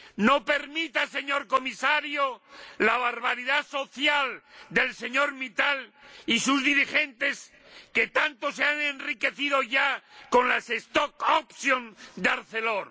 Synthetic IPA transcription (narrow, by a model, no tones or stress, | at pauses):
no̞pe̞ɾmit̪ase̞ɲo̞ɾko̞misaɾjolaβaɾβaɾiðaso̞θjald̪e̞lse̞ɲoɾmit̪alisuzðiɾixe̞nt̪e̞s | ke̞t̪ant̪o̞seanenrike̞θið̞o̞ʝako̞nlase̞st̪okopsjond̪eaɾθe̞loɾ